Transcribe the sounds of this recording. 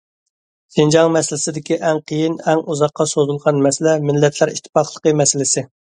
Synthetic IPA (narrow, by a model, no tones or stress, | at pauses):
ʃind͡ʒɑŋmɛsɪlɪ̥sɪd̪ɪkʲiʔɛŋqʰəjinɛŋuzɑqːɑsozulˠʁɑnmɛsɪlɛmɪlːɛt̪ʰlæɾiʃt̪ʰːɪ̥pɑχlˠəqəmɛsɪlɪsɪ